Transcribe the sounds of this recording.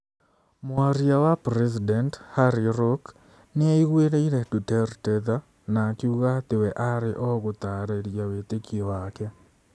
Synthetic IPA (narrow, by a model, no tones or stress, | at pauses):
mwaɾjawapɾesidɛnthaɾiɾok | nɪaiɣweɾeiɾedutɛɾtɛða | nakiuɣat̪ɪwɛʔaɾɪʔɔɣot̪aɾeɾjawetekiowakɛ